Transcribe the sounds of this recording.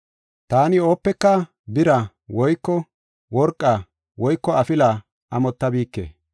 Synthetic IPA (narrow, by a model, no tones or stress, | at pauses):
t̪aːnɪo̞ːpːɛkːɐ | bɪɾɐ | wɔjkːɔ | wɔɾkʼːɐ | wɔjkːɔɐfɪlɐ | ʔɐmɔt̪ːɐbiːkːḛː